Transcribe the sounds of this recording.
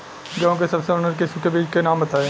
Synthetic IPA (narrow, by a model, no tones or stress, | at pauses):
ɡɐõkesɐbseʊnəɾk̬ɪsukebiːd͡ʒkenaːmbɐt̪aːeː